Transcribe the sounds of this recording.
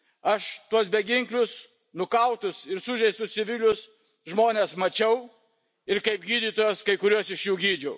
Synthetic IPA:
ɐʃt̪uɔs̬bʲɛɡʲɪŋklʲʊs | nʊkɐʊt̪ʊsɪɾsʊʒʲɛɪst̪ʊst͡s̪ʲɪʋʲɪlʲʊs | ʒmoːnʲeːsmɐt͡ʃʲɛʊ | ɪɾkɐɪp̚ɡʲiːd̪ʲiːt̪oːjɛskɐɪkʊɾʲuɔsɪʃjuːɡʲiːd͡ʒʲɛʊ

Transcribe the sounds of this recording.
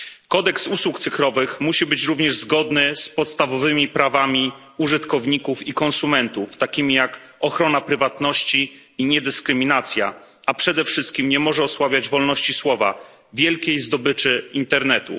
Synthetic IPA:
kɔd̪ɛksuswukt̪sɘfɾɔvɘxmuɕibɘt͡ɕɾuvɲɛʐzɡɔd̪nɘspɔt̪st̪avɔvɘmʲipɾavamʲi | uʐɘt̪kɔvɲikufikɔnsumɛnt̪uft̪akʲimʲijak | ɔxɾɔnapɾɘvat̪nɔɕt͡ɕiː | ɲɛd̪ɘskɾɘmʲinat̪sʲja̰ | apʂɛd̪ɛfʂɘst̪̚kʲimɲɛmɔʐɛɔswabʲjad͡ʑvɔlnɔɕt͡ɕiswɔva | vʲjɛlkʲejzd̪ɔbɘt͡ʂɘint̪ɛɾnɛt̪ṵ

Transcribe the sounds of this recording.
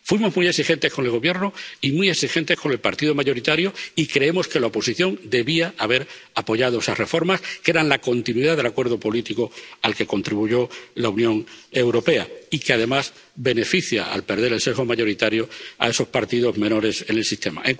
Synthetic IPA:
fwimo̞zmujesixe̞nt̪e̞sko̞ne̞lɣ̞o̞βje̞ɾnoimuje̞ksixe̞nt̪e̞sko̞ne̞lpaɾt̪iðo̞maʝo̞ɾit̪aɾjoikɾe̞e̞mo̞ske̞laopo̞siθjo̞nd̪e̞βiaaβe̞ɾapo̞ʝað̞o̞esasre̞fo̞ɾmaskee̞ɾanlako̞nt̪inwiðaðe̞lakwe̞ɾð̞o̞po̞lit̪iko̞alke̞ko̞nt̪ɾiβuʝo̞launjõ̞ŋe̞wɾo̞pe̞a̰ikeaðe̞mas | be̞ne̞fiθja̰a̰lpe̞ɾðe̞ɾelse̞ɣo̞maʝo̞ɾit̪aɾjoa̰e̞so̞spaɾt̪iðo̞zme̞no̞ɾe̞se̞ne̞lsist̪e̞ma̰eŋ

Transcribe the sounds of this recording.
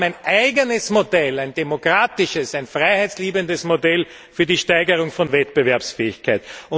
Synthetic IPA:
æɪnʔæɪɡənəsmodɛlæɪndemokʁaːtɪʃəsæɪnfʁaɪhæɪtsliːbəndəsmodɛl | fyːɐdiːʃtæɪɡəʁ̞ʊŋfɔnvɛtpəvɛɐpsfɛːɪçkʰaɪtʊ

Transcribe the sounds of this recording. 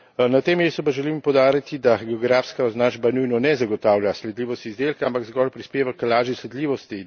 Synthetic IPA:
nat̪eːmeːst̪upaʒɛlimpɔwd̪aːɾit̪id̪aɡɛɔɡɾaːfskaznaʒbanujnɔnɛzaɡɔt̪aːwlʲjaslɛd̪liːʋɔst̪izd̪elkaampaɡzɡɔːlpɾispeːʋaklaːʒjislɛd̪liːʋɔst̪i

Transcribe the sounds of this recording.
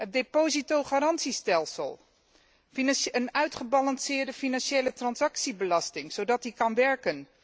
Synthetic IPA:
ɦət̚depozitowχaɾɑntsistɛlˠsə̰lˠ | inənœɥtχəbɑlɑnsɪːɹdəfinɑnʃejlətrɑnzɑksibəlɑstɪŋz̥owdɑt̚dikɑnʋɛɹkən

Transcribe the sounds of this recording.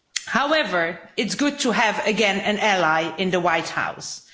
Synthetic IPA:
haʊɛvə˞ɪtsɡ̥ʊd̚tʰəɨvɨɡɛ̃nɨ̃nɛlaɪʔɪ̃nðəwaɪt̚ha̰ʊs

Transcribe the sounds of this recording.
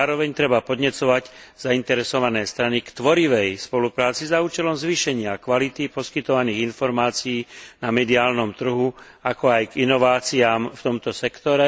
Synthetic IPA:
aːɾɔʋɛɲt̪ɾɛbapɔd̪ɲɛt͡sɔʋaɟ | z̥aint̪ɛɾɛsɔʋanɛːst̪ɾanikt̪ʋɔɾiʋɛjspɔlupɾaːt͡sizauːt͡ʃɛlɔmzʋiʃɛɲɪakʋalit̪ipɔskit̪ɔʋaniːɣinfɔɾmaːt͡sijiːnamɛd̪iaːlnɔmt̪r̩ɦu | akɔajɡinɔʋaːt͡siaːmft̪ɔmt̪ɔsɛkt̪ɔɾɛ

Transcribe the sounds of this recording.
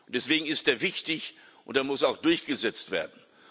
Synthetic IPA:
ʊntd̥ɛsv̥eːɡŋ̩ɪstdeːɐvɪçtɪç | ʔʊntdeaɐmʊsaʊxd̥ʊɐçɡ̥əzɛt͡stv̥ḛːɐdn̩

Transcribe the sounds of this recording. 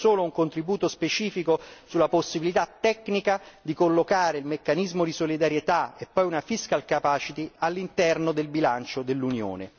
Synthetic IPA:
soːlouŋkont̪ɾibuːt̪ospet͡ʃiːfikosulːaposːibilit̪at̪ːɛkːnikad̪ikolːokaːɾeilmekːanizmod̪isolid̪aɾjet̪aepːɔjunafiskalkapaːt͡ʃit̪ialːint̪ɛrnod̪elbilant͡ʃod̪elːunjo̰ːne

